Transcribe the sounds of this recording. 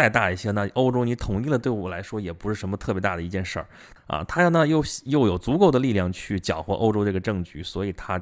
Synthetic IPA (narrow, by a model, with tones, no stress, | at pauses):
a˥˧ɪt̪a˥˧i˥˩ɕjɛ˥na˥˩ʔo˥ʊʈ͡ʂo˥ʊni˧˥t̪ʰʊ˧˩ŋi˥˩lət̪we˥˩ɪwɔ˨˩la˧˥ɪʂwɔ˥jɛ˨˩pu˧˥ʂɻ̩˥˩ʂə˧˥mə˧t̪ʰɤ˥˩pjt̪a˥˩d̪ə˩i˧˥t͡ɕjɛ˥˧nʂə̰˞˥˩ | ɐ̰˧t̪ʰa˥nə˥˧˩jo˥˩ʊɕjo˥˩ʊjo˨˩ʊt͡su˧˥ko˥˩ʊd̪ə˩li˥˧ljɑ˥˩ŋt͡ɕʰy˥˩t͡ɕjɑ˨˩ʊxwɔ˧˥ʔo˥ʊʈ͡ʂo˥ʊʈ͡ʂɤ˥˩ɡə˩ʈ͡ʂɤ˥˧ŋt͡ɕy˥˩swɔ˧˥i˨˩t̪ʰa˥